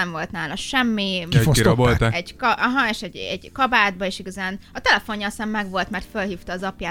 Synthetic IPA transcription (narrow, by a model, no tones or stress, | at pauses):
ɛɱvo̞lt̪naːlɒʃɛmːikiɾbolt̪aɛɟkɒʔɒɦɒeːʃɛɟɛɟkɒbaːd̪̚bɒeːʃiɡɒzaːnɒt̪ɛlɛfo̞ɲjɒːsɛmmɛɡʋo̞lt̪mɛrt̪følɦiːft̪ɒːzɒpjaː